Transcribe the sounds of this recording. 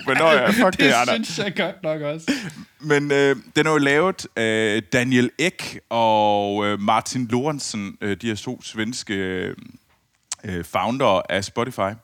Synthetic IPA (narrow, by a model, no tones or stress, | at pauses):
mnɒfɒɡnɕeɡ̥ɔd̥nɒɡ̥ɒsmenød̥enhɑjo̝lɛːʊð̩ˠæd̥ænjeleɡ̥ɒ̽ømɑ̈ːt͡sʰinlo̝ʁænsənød̥ihæɐt͡sʰo̝̰ːsʋensɡ̥ə | øfɑ̈ʊnd̥ɐʔæsb̥ɔt͡sʰifɑ̈ɪ